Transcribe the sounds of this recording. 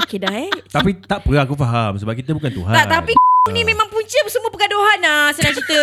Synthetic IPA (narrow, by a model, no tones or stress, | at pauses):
okedaɛt̪apit̪aʔpəɾaakufaɦamsəbap̚kit̪əbukant̪ṵɦaʔ̪apinĩmẽmãŋpuɲt͡ʃəpəsəmuəpəkadoɦanasənãŋt͡ʃit̪ə